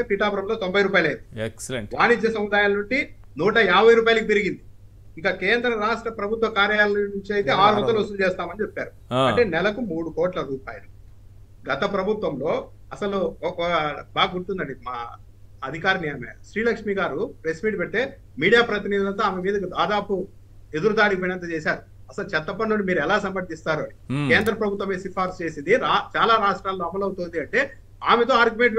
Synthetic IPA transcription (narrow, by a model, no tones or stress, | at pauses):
epiːʈaːpɐɾɐmlot̪ombʱɐjɾuːpaːjɐlɐjnd̪iekseʋaːnid͡ʒjɐsɐmud̪aːjaːlnuɳʈi | nuːʈɐaːbɐjɾuːp̬aːjalɐkipiɾiɡind̪i | ikɐkeːnd̪ɾɐɾaːʂʈɾɐpɾɐbʱut̪ʋɐkaːɾjaːlnuɲt͡ʃiɐjit̪eːaːɾbɐt̪ɐlusut͡ʃɛːst̪aːmɐnit͡ʃepːaːɾu | ɐʈe̞ːnɛlɐkumuːɽukoːʈlɐɾuːpa̰ːjɐlu | ɡɐt̪ɐpɾɐbʱut̪ʋɐmlo̞ː | ɐsɐluɔkɐbaːɡɐɡuɽt̪und̪ɐɳɖimaː | ɐd̪ʱikaːɾɐnijɐːmeːʃɾiːlɐkʂmiːɡaːɾupɾesmiːʈpɛʈ̪ːe̞ː | miːɽijaːpɾɐt̪̬inid̪ilɐnt̪oaːmemiːd̪ɐkid̪aːd̪aːpu | e̞d̪uɾud̪aːɽipoːjnɐnt̪ot͡ʃeːsaːɾu | ɐsɐlut͡ʃɛt̪ːɐpɐːuɳɖimiːɾuɛlaːsɐmpɐd̪ist̪aːɾuɐɽike̞ːnd̪ɾɐpɾɐbʱut̪ʋɐmeːsipʰaːɾst͡ʃe̞ːsind̪iɾaːt͡ʃaːlaːɾaːʂʈɾaːlːo̞ːɐmɐlɐwut̪oːnd̪iɐɳʈe̞ː | aːmet̪o̞ːaːɾɡjumeɳʈ̬